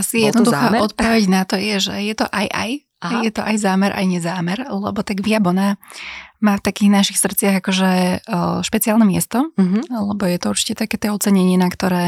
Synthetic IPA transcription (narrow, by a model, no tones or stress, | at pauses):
asijɛd̪nɔd̪uxaːɔt̪̚pɔʋɛɟnat̪ɔjɛʒɛ̰jɛt̪ɔʔajʔa̰j | ajɛt̪ɔʔajzaːmɛɾʔa̰jɲɛzaːmɛɾlɛbɔt̪aɡʋɪabɔna | maːft̪akiːɣnaʃixsr̩t̪t͡sɪaɣakɔʒɛ | ʃpɛt͡siaːlˠnɛmɪɛ̰st̪ɔlɛbɔjɛt̪ɔuɾt͡ʃi̥cɛt̪akɛːt̪ɛɔt͡sɛɲɛɲɪɛnakt̪ɔɾɛː